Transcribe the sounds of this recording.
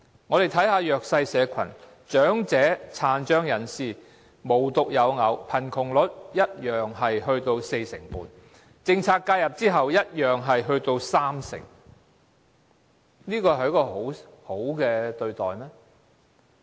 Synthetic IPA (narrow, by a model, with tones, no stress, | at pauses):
ŋɔː˨˧ɾe˨jt̪ʰɐ˨˥jɦaː˧jœː˨k̚sɐ˧jsɛː˨˧kʷʰɐ̰˨˩n | t͡ʃœː˨˥ŋt͡sɛː˨˥t͡sʰaː˨˧nt͡ʃœː˥ŋjɐ˨˩nsiː˨˩ | mo˨˩wt̪ʊ˨k̚jɐ˨˧wŋɐ˨˧wpʰɐ˨˩nkʰʊ˨˩ŋlɵ˨˥t̚jɐ˥t̚jœː˨ŋɦɐ˨jɦɵ˧ɥt̪o˧wse˧jsɪ̰˨˩ŋpṵː˨n | t͡sɪ˧ŋt͡sʰaː˧k̚kːaː˧jɐ˨p̚t͡siː˥ɦɐ˨wjɐ˥t̚jœː˨ŋɦɐ˨jɦɵ˧ɥt̪o˧wsaː˥msɪ̰˨˩ŋ | niː˥kɔː˧hɐ˨˩jkɔː˧ɦo˨˥who˨˥wkɛː˧t̪ɵ˧ɥt̪ɔ̰ː˨jmɛː˥